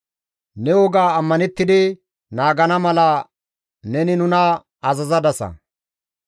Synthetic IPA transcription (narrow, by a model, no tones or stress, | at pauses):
nɛwɔɡaːɐmːɐnɛt̪ːɪd̪ɪ | naːɡɐnɐmɐlɐ | nɛnɪnʊnɐ | ɐzɐzɐd̪ɐsɐ̰